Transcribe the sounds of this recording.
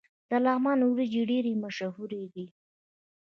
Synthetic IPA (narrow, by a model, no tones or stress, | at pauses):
d̪̥əlɑmɑnwɾid͡ʒeɖeɾemaʃaɦuɾeɡ̪i